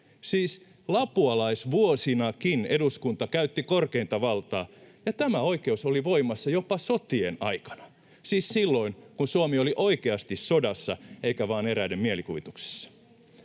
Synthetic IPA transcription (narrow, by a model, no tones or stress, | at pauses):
siːs | lɑpuɑlɑisʋuosinɑkineduskunt̪ɑkæyt̪ːikorkeint̪ɑʋɑlt̪ɑːjɑt̪æmæo̞ike̞usoliʋo̞imɑsːɑjopɑsot̪ienɑ̰ikɑ̥nɑ̥ | siːssilːo̞inkunsuomioliʔo̞ikeɑst̪issodɑsːɑeikæʋɑːneɾæidemmielikuʋit̪ukse̥sːɑ̥